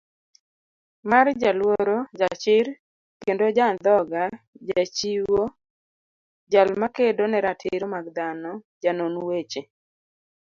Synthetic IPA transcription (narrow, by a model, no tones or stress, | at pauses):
mard͡ʒalwoɾod͡ʒat͡ʃɪɾ | kendod͡ʒand̪ɔɡa | d͡ʒat͡ʃiwo | d͡ʒalmakedonɛɾatʰɪɾomaɡd̪anɔd͡ʒanonwet͡ʃe